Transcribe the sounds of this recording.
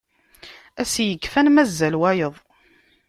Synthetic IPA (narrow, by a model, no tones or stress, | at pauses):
æsjəkːfænmæzːælwæjəðˤ